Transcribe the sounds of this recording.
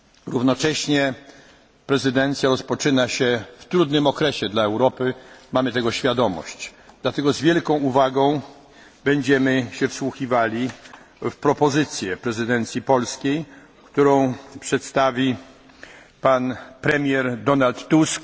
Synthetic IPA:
ɾuvnɔt͡ʂɛɕɲɛ | pɾɛzɘd̪ɛnt̪sʲjaɾɔspɔt͡ʂɘnaɕɛft̪ɾud̪nɘmɔkɾɛɕɛd̪laɛwɾɔpɘmamɘt̪ɛɡɔɕfʲjad̪ɔmɔ̰ɕt͡ɕd̪lat̪ɛɡɔzvʲjɛlkɔ̃w̃uvaɡɔ̃w̃ | bɛɲd͡ʑɛmɘɕɛfswuxivalʲi | fpɾɔpɔzɘt̪sʲjɛpɾɛzɘd̪ɛnt̪sʲjipɔlskʲej | kt̪uɾɔ̃w̃pʂɛt̪st̪avʲi | panpɾɛmʲjɛɾd̪ɔnalt̪ːusk

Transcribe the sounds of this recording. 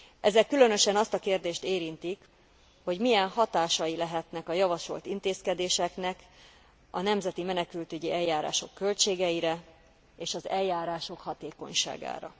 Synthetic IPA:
ʔɛzɛkːylø̞nø̞ʃɛnɒst̪ɒkeːrd̪eːʃt̪eːɾint̪ik | ho̞ɟmijɛnɦɒt̪aːʃɒjilɛɦɛt̪nɛkɒjɒvɒʃo̞̰lt̪int̪eːskɛd̪eːʃɛknɛk | ɒ̰nɛmzɛt̪imɛnɛkylt̪øɟiɛjaːɾa̰ːʃo̞̰kːø̞lt͡ʃeːɡɛiɾɛ | eːʃɒzɛljaːɾaːʃo̞khɒt̪eːko̞̰ɲʃa̰ːɡa̰ːɾɒ̰

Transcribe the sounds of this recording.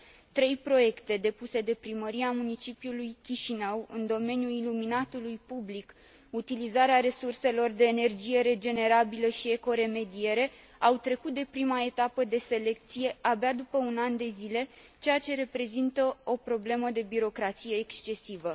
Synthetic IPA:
t̪ɾe̞jpɾo̞je̞kt̪e̞d̪e̞puse̞d̪e̞pɾiməɾiamunit͡ʃipijulujkʲiʃinəwɨnd̪o̞me̞njuiluminat̪ulujpublik | ut̪ilizaɾeaɾe̞surse̞lo̞rd̪e̞ːne̞rd͡ʒije̞ɾe̞d͡ʒe̞ne̞ɾabiləʃie̞ko̞ɾe̞me̞d̪ie̞ɾe̞ | awt̪ɾe̞kut̪̚d̪e̞pɾimae̞t̪apəd̪e̞se̞le̞k̚t̪sije̞abead̪upəunand̪e̞zile̞ | t͡ʃe̞jat͡ʃe̞ɾe̞pɾe̞zint̪əo̞pɾo̞ble̞məd̪e̞biɾo̞kɾat̪sije̞ːkst͡ʃe̞sivə

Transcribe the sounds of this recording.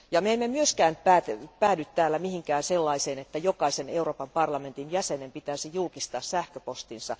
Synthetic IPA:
jɑmeemːemyøskæːnpæːt̪pæːdyt̪t̪ːæːlːæmihiŋkæːnselːɑiseːnet̪ːæjokɑiseneuroːpɑmpɑrlɑment̪injæsenempit̪æsijulkist̪ɑːssæhkøpost̪insɑ̰

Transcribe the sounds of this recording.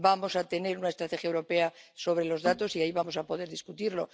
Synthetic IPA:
bamo̞sat̪e̞ne̞ɾunaest̪ɾat̪e̞xjaewɾo̞pe̞aso̞β̞ɾe̞lo̞zðat̪o̞siaiβamo̞sapo̞ð̞e̞ɾðiskut̪iɾlo̞

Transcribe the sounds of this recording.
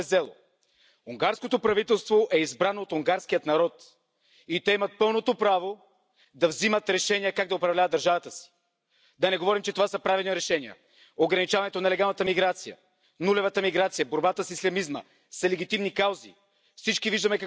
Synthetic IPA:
ɛzɛlˠo̰ | uŋɡaɾskot̪opɾɐvit̪ɛlˠst̪voʔɛizbɾanoːt̪ʊŋɡaɾskijət̪nɐɾɔt̪ | it̪ɛimɐt̪̚pɤlˠnot̪opɾavo | d̪ɐvzimət̪ɾɛʃɛnijəkaɡ̚d̪ɐʊpɾɐvlʲavɐd̪əɾʒavɐt̪əsi̥ | d̪ɐnɛɡovɔɾimt͡ʃɛt̪ovasɐpɾavilˠniɾɛʃɛniə̰ | oɡɾɐnit͡ʃavɐnɛt̪onɐlɛɡalˠnət̪əmiɡɾat̪sijə̰ | nulɛvɐt̪əmiɡɾat̪sijəboɾbat̪əsislʲɐmizmə̰ | sɐlɛɡʲit̪imnikawzḭ | fsit͡ʃkiviʒd̪əmɛkɐ

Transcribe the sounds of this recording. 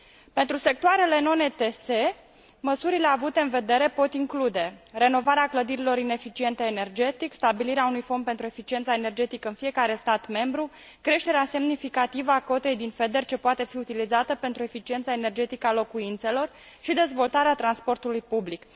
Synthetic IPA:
pe̞nt̪ɾuse̞k̚t̪oaɾe̞le̞no̞net̪ese̞ | məsuɾile̞avut̪e̞ɨnve̞d̪e̞ɾe̞po̞t̪iŋklud̪e̞re̞no̞vaɾeakləd̪iɾilo̞ɾine̞fit͡ʃie̞nt̪eːne̞rd͡ʒe̞t̪ikst̪abiliɾeaunujfo̞nd̪pe̞nt̪ɾue̞fit͡ʃie̞nt̪saene̞rd͡ʒe̞t̪ikəɨnfije̞kaɾe̞st̪at̪me̞mbɾu | kɾe̞ʃt̪e̞ɾease̞mnifikat̪ivəako̞t̪e̞jd̪infe̞d̪e̞rʲt͡ʃe̞poat̪e̞fiut̪ilizat̪əpe̞nt̪ɾue̞fit͡ʃient̪sae̞ne̞rd͡ʒe̞t̪ikəalo̞kuint̪se̞lo̞r | ʃid̪e̞zvo̞lt̪aɾeat̪ɾanspo̞rt̪ulujpublik

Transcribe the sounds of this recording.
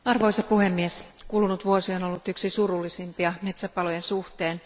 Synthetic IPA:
ɑrʋoisɑpuhe̞mːieskuːlunut̪ʋuosionolːut̪yksisurulːisimpiɑme̞t̪sæpɑlojensuht̪eːn

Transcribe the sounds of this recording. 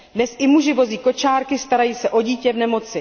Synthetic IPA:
dnɛsʔɪmuʒɪvo̞ziːko̞t͡ʃaːɾkɪst̪aɾajiːsɛʔo̞ɟiːcɛvnɛmo̞t͡sɪ

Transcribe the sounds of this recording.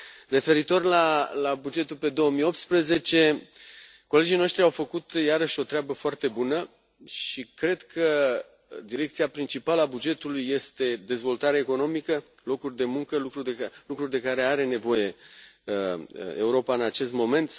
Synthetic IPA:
re̞fe̞ɾit̪o̞rʲlalabud͡ʒe̞t̪ulpe̞d̪o̞wəmijo̞p̚t̪spɾəze̞t͡ʃe̞ | ko̞le̞d͡ʒijno̞ʃt̪ɾiawfəkut̪jaɾəʃo̞t̪ɾeabəfoart̪e̞bunə | ʃikɾe̞d̪kʰə | d̪iɾe̞k̚t̪siapɾint͡ʃipaləabud͡ʒe̞t̪ulujːe̞st̪e̞d̪e̞zvo̞lt̪aɾeeko̞no̞mikə | lo̞kurʲd̪e̞muŋkəlukɾulukɾurʲd̪e̞kaɾe̞aɾe̞ne̞vo̞je̞ | e̞uɾo̞paɨnat͡ʃe̞st̪mo̞me̞nt̪

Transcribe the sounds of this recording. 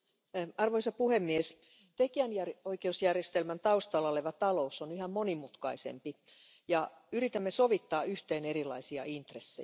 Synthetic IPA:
ɑrʋoisɑpuhemːies | t̪ekiænjæroikeusjærjest̪elmænt̪ɑust̪ɑlːɑoleʋæt̪ɑlousːonyhæmmonimut̪kɑisḛmpi | jɑyɾit̪æmːesoʋit̪ːɑːyht̪eːnerilɑ̰isiɑ̰ʔint̪resːḛ

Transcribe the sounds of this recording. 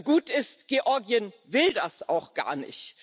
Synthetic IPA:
ɡuːtɪstɡ̥eʔɔɐɡiən | vɪldasaʊxɡ̥a̰ːɐnɪ̰çt

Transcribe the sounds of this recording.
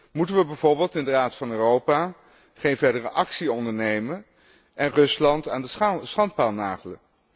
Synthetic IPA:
mutənʋəbɛjv̥oɹbɪːlˠtɪndəraːtfɑnøːrowpaː | χejnvɛɹdərəʔɑksiɔndəɹnejmən | ʔɛnrɵslɑntaːndəsχɑnt̚paːlˠna̰ːχələn

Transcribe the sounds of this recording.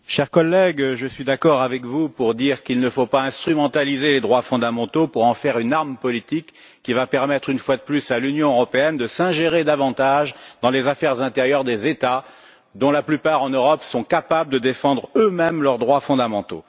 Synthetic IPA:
ʃɛʁkɔlːɛɡʒəsɥid̪akɔʁavɛkvupuʁd̪iʁkilnəfopaɛ̃st̪χymɑ̃t̪alizeled̪ʁwafɔ̃d̪amɑ̃t̪opuʁɑ̃fɛʁynaʁmpɔlit̪ikː | ivapɛʁmɛt̪χynfwad̪əplysalynjɔ̃øʁɔpeɛnd̪əsɛ̃ʒeʁed̪avɑ̃t̪aʒd̪ɑ̃lezafɛʁzɛ̃t̪eʁjœʁd̪ezet̪a | d̪ɔ̃laplypaʁɑ̃nøʁɔpsɔ̃kapabləd̪əd̪efɑ̃d̪ʁømɛmlœʁd̪ʁwafɔ̃d̪amɑ̃t̪o̰

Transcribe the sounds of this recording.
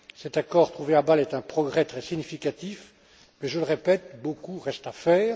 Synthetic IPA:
sɛt̪akɔːʁt̪χuveabalɛt̪ɛ̃pχɔɡʁɛt̪χɛsiɲifikat̪if | mɛʒələʁepɛt̪bokuʁɛst̪afɛːʁ

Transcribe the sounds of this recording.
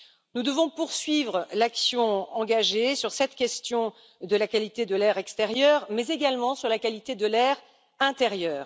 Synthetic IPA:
nud̪əvɔ̃puʁsɥivʁəlaksjɔ̃ɑ̃ɡaʒesyʁsɛt̪kʲɛst̪jɔ̃ | d̪əlakalit̪ed̪əlɛʁɛkst̪ɛʁjœːʁmɛzeɡalmɑ̃syʁlakalit̪ed̪əlɛʁ | ɛ̃t̪eʁjœːʁ

